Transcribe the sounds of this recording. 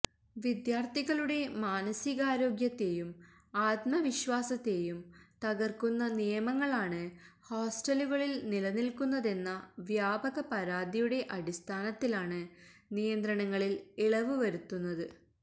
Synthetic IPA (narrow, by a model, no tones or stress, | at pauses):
ʋid̪jaːrt̪iɣɐɭuɽe̞maːnɐsiɣaːɾo̞ːɡjɐt̪ːe̞jum | aːt̪mɐʋiɕʋaːsɐt̪ːe̞jumt̪ɐɣɐrkunːɐnijɐmɐŋːɐɭaːɳɨ | ho̞ːsʈɐluɣɐɭilnilɐnilkunːɐðe̞nːɐʋjaːbɐɣɐpɐɾaːd̪ijuɽe̞ʔɐɽist̪ʰaːnɐt̪ːilaːɳɨnijɐnd̪ɾɐɳɐŋːɐɭileɭɐʋɨʋɐɾut̪ːunːɐðɨ